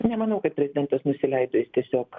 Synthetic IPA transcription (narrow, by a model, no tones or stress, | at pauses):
nʲɛmɐnɐʊkɐt̪̚pʲɾʲɛzʲɪd̪ʲɛnt̪ɐsnʊsʲɪlʲɛɪd̪oːjɪst̪ʲiɛsʲoːk